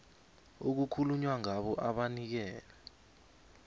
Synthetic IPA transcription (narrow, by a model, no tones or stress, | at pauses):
ok̬ukʰuluɲwaŋaɓɔʔaɓanik̬ɛːlɛ